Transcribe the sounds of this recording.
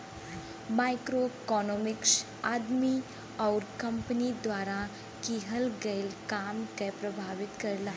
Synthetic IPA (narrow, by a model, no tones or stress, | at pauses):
majkɾokɔnɔmiks | ad̪mi | awɾkəmpnid̪ʋaɾa | kiɦəlɡelkamkɛpɾəbʱaʋit̪kəɾla